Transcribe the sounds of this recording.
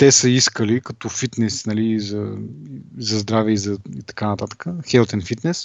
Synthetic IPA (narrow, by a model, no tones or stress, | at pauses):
t̪ɛsəiskəlikɐt̪ɔfit̪nɛsnɐlizɐizɐzd̪ɾavɛizɐit̪ɐ̥kanɐt̪at̪ə̥kəxɛlˠt̪ɛnfit̪nɛs